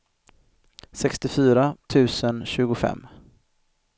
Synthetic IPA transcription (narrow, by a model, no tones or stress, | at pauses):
sɛkst̪ɪfyːɾat̪ʰʉ̟ːsənɕʉ̟ːɡʊfɛ̰mː